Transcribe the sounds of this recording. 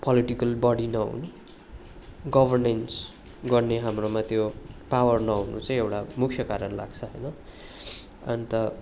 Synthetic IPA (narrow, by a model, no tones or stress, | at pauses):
pʌliʈikʌlbʌɽinʌɦṵnu | ɡʌbʱʌrnens | ɡʌrneɦamromat̪jopawʌrnʌɦunṵt͡sʌĩewʈamukʰjʌkaɾʌnla̰ɡt͡sʰʌɦʌjnʌ | ʌnit̪ʌ